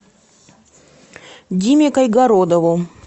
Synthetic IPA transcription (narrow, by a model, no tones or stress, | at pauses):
dʲimʲekɐjɡɐɾod̪əvʊ